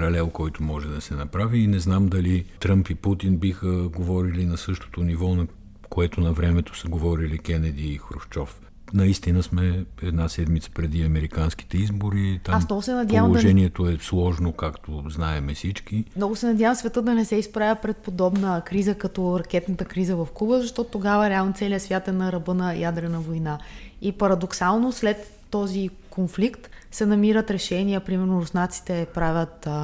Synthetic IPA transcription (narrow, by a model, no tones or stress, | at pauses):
pɾɐlɛlˠkɔjt̪omɔʒɛd̪ɐsɛnɐpɾaviːnɛznamd̪ɐlit̪ɾampiput̪inbixəɡovɔɾilinɐsɤʃt̪o̥t̪onivɔnɐ | koɛt̪onɐvɾɛmɛt̪o̥səɡovɔɾilikɛnɛd̪iːxɾoft͡ʃɔf | nɐist̪inəsmɛɛd̪nasɛd̪mit̪sə̥pɾɛd̪iɐmɛɾikanski̥t̪ɛizboɾit̪aasmnɔvʊsɛnɐd̪ʲavəmlˠoʒɛniɛt̪oɛslˠɔʒnokakt̪oznaɛmɛfsit͡ʃkimnɔɡʊsɛnɐdʲjavəmsvɛt̪ɤt̪̚d̪ɐnɛsɛispɾavʲəpɾɛt̪̚pod̪ɔbnəkɾizəkɐt̪ɔɾɐk̟ɛt̪nət̪əkɾizəvɐfkubəzɐʃt̪ɔt̪ʊt̪ːoɡavəɾɛalˠnot̪sɛliəsvʲjat̪ɛnɐɾɐbɤnɐjad̪ɾɛnəvojnaipɐɾɐd̪oksalˠnoslɛt̪ːɔzi | konflikt̪sɛnɐmiɾət̪ɾɛʃɛniəpɾimɛɾnʊɾʊsnat̪si̥t̪ɛpɾavʲət̪